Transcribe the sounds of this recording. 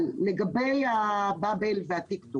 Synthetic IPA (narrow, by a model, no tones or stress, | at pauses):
lleɡabejababelveat̪iktu